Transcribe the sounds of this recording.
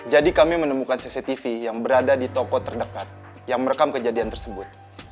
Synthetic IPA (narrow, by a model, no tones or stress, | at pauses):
d͡ʒadikamimənəmukansiset̪ifijaŋbəɾadadit̪ɔkɔt̪ərdəkat̪̚ | jaŋməɾəkamkəd͡ʒadiant̪ərsəbʊt̪̚